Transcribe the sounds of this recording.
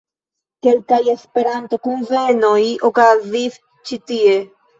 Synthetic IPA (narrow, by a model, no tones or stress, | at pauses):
kelkajespeɾant̪okunvenoiʔokaðiθ | t͡ʃit̪ie